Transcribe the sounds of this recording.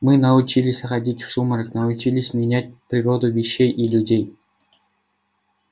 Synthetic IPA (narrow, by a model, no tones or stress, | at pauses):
mɨnaut͡ɕilʲisʲɐχadʲitʲfʂumɤ̆rɤknɑut͡ɕilʲisʲmʲinʲæt̚ʲprʲirod̪uvʲiɕːejʔilʲudʲej